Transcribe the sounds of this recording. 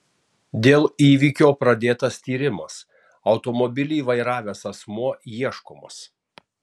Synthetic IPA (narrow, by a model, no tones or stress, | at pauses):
d̪ʲeːlˠiːʋʲiːkʲoːpɾɐd̪ʲeːt̪ɐst̪ʲiːɾʲɪmɐs | ɒʊt̪ɔmɔbʲɪlʲiːʋɐɪɾɑːʋʲeːsɐsmuɔjiɛʃko̰ːmo̰s